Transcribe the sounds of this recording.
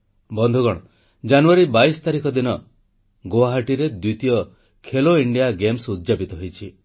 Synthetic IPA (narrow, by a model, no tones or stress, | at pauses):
bɔnd̪ʱuɡɔɽ̃ | d͡ʒanuaɾibajsɔ̥t̪aɾikɔd̪inɔ | ɡoaɦaʈiɾed̪wit̪ijɔ | kʰeloiɳɖijaɡemsud̪d͡ʒapit̪ɔɦojt͡ʃʰi